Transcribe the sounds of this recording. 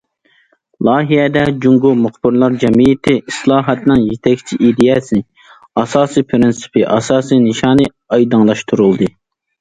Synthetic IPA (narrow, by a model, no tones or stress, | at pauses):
lˠɑːɦijɛd̪ɛd͡ʒuŋɡumʊχbɪɾlˠɑɾd͡ʒɛmijɪt̪ʰɪislˠɑːɦɑt̪nɨŋjet̪ʰɛkʲt͡ʃʰiʔid̪ijɛsɪnɪ | ɑsɑːsijpʰɾɪnsɨ̥pʰɨʔɑ̰sɑːsinɨʃɑːnɨ | ɑjd̪ɨŋlˠɑʃt̪ʰuɾulˠd̪ɨ